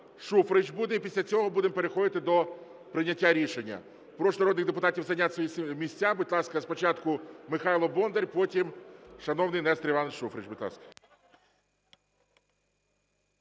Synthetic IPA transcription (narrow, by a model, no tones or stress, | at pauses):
ʃufɾɪt͡ʃbud̪ɛipʲisʲlʲɐt͡sʲɔɦɔbud̪empeɾexɔd̪ɪt̪ɪd̪ɔ | pɾɪnʲːɐtʲːaɾʲiʃenʲːɐ̰ | pɾɔʃnɐɾɔd̪nɪɣd̪epʊt̪ɑtʲiwzɐjnʲat̪ʲsʋɔjisʲmʲisʲt͡sʲːabʊt̪ʲlˠɑskɐspɔt͡ʃɑt̪kʊmɪxɑjlˠɔbɔnd̪eɾʲpɔtʲimʃɐnɔwnɪjnɛst̪ɾɪʋɑnʃufɾɪt͡ʃbʊt̪ʲlˠɑ̰skɐ̥